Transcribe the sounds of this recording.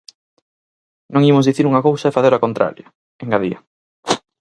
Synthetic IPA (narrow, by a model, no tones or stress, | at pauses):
nõŋimʊzðiθiɾuŋɐkowsɐɛfaθeɾakont̪ɾa̰ɾja | eŋɡaðiɐ